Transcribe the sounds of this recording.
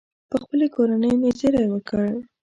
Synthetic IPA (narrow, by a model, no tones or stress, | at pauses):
pəxpəlekoɾanəjnezeɾajwəkəɽ